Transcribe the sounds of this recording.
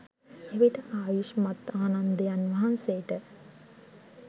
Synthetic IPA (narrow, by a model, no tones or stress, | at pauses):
eʋiʈəʔaːjuʃmat̪aːnand̪əjanʋɐɦanseʈə